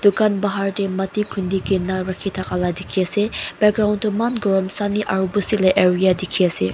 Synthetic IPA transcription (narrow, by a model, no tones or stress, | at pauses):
d̥ukanbaɦaɹdemɐtikʰundikinaɾakʰitʰakaladikʰiaseb̥ɛɡɾawntumanɡɔɹɔmsaniʔaɾubusilaʔeɹijadikʰiase